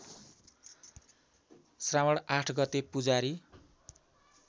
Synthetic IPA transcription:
sramʌɽaʈʰɡʌt̪epud͡zaɾi

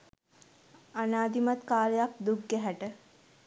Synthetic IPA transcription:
anaːd̪imat̪kaːləjak̚d̪uɡːɛɦæʈə

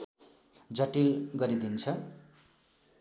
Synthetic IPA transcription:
d͡zʌʈilɡʌɾid̪int͡sʰʌ

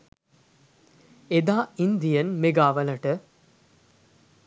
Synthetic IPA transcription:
ed̪aːind̪ijənmeɡaːʋəlɐʈə

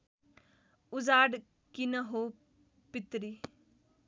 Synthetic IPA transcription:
ʊzaːɖ | kinəɦo | pɪt̪ɾi

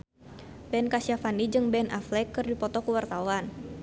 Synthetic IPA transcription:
bɛnkasiafanid͡ʒɨŋbɛnʔaflɛkːɨrdipɔt̪ɔkuwart̪awan

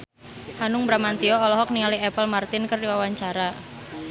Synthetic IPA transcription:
hanʊŋbɾamant̪ioːlɔɦɔk̚niŋaliɛpəlmart̪ɪnkərdiwawaɲt͡ʃaɾa

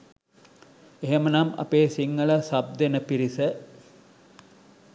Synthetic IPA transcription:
eɦemənɐmɐ̰peːsiŋːɐɭɐsɐb̚d̪enəpiɾisə

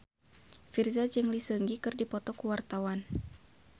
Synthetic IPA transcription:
firzad͡ʒəŋlisəŋɡikɨrdipɔt̪ɔkuwart̪awan

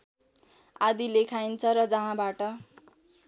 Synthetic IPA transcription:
ad̪ilekʰajnt͡sʰʌɾʌd͡zʌɦãbaʈʌ

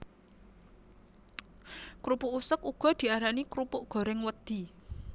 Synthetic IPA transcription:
kɾupuʔusəkuɡ̥ɔ̤d̪̥i̤aɾanikɾupʊʔɡ̥ɔ̤ɾɪŋwəd̪̥i̤

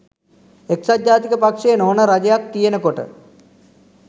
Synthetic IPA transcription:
eksad̪jaːt̪ikəpakʂejnoːnəɾad͡ʒejak̚t̪ijenəkoʈə̰

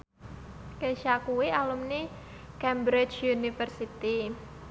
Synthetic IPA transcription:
keʃakuwialumni | kɛmbɾɪt͡ʃunifərsit̪i

